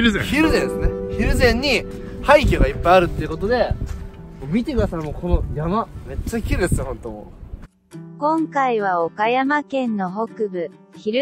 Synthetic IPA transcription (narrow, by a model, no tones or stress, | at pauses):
ɾɯzçiɾɯ̟zẽd̪esɨneçiɾɯ̟zẽ̞ɲ̟ːihaik̬ʲoɡaipːajaɾɯ̟t̪ːeiɯ̟ko̞t̪o̞d̪e̞ | moːmʲit̪e̞kɯd̪asaɾmoːkʰo̞no̞jamame̞t͡ɕːakʲiɾɯd̪esɨnehõ̞nt̪o̞mo̰ | kõ̞ŋkaiβ̞ao̞kajamakẽ̞nːo̞ɦo̞kɯ̟bɯ̟çiɾ